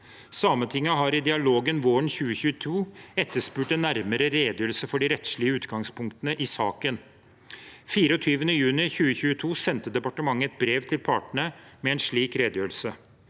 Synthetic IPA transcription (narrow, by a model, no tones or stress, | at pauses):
sɑːmənt̪ʰɪŋːɑɦɑɾɪd̪ɪɑloːɡənʋoːɳçʉːəçʉːət̪ʰuːɛt̪ːəʂpʉːʈɛnːæɾməɾəɾeːd̪jøːɾəlsəfɔɖɪɾɛt̪ʂɭɪəʉːt̪ɡɑŋspʰʊŋkt̪ənəʔɪsɑːkən | fiːɾəɔt̪ʰyːʋənəjʉːnɪçʉːəçʉːət̪ʰuːsɛnt̪əd̪ɛpɑʈəmɑŋːəɛt̪̚bɾeːʋt̪ʰɪlpʰɑːʈɳəmɛɛnʂɭiːkɾeːd̪jøːɾl̩sə